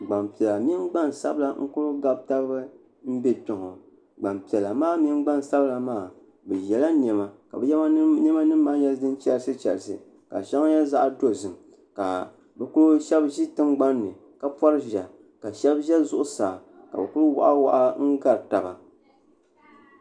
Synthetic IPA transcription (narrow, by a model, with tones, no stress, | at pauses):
ɡ͡ba˨mpi˨ɛ˨la˨mi˦nɡ͡ba˦nsa̰˦bla˦ŋ̩˦kʊ˦ɾʊ˦ɡa˦b̚ta˦bbɨ˦ | m̩˦be˦pɪ˨ŋo̰˨ | ɡ͡ba˨mpi˨ɛ˨la˨maː˦mɪ˦ŋɡ͡ba˦n˨sa˦bla˨maː˦˨ | bɛ˨jɛ˨la˦n˨ɛ˨ma˨ka̰˨bɛ˨˦jɛ˦ma˦nɛ˦ma˦nɨ˦mː˦a˦n˦jɛ˦dɨ˦nt͡ʃɛ˦lsɨ˦t͡ʃɛ̰˨lsɨ̰˨ | ka̰˨ʃa˦ŋa˦jɛ˦za˦ʔa˦do˦zɨ˨m | ka˨ | bɛ˨kʊ˦ɾʊ˦ʃɛ˦bʒi˦tɨ˦mɡ͡ba˦nːɨ˨ | ka˦pɔ˦ɾɨ˦ʒa˨ | ka˨ʃɛ˦bʒɛ˦zʊ˦ʔʊ˦saː˨ | ka̰˨bɛ˨kʊ˦ɾʊ˦wa̰˨ʔa˦wa̰˨ʔa˦ŋ̩˦ɡa˦ɾta˨ba˨